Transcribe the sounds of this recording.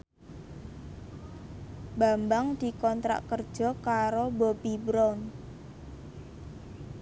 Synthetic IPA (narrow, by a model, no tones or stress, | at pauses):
bambaŋd̪̥i̤kɔnt̪ɾa̰ʔkərd̥ʒ̥ɔ̤kaɾobobibɾɔn